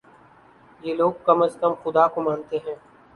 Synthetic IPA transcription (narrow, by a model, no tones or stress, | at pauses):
jeːloːɡ̚kɐməskəmxʊd̪akomãːnt̪eɦɛ̃ː